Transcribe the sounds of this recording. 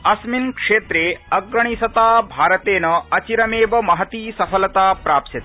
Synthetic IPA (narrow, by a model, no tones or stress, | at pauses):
ɐsminkʂeːt̪ɾeːɐɡɾɐɳ̃isɐt̪aːbʱaːɾɐt̪eːnɐɐt͡ʃiɾɐmeːʋɐmɐɦɐt̪iːsɐpʰɐlɐt̪aːpɾaːpsɐt̪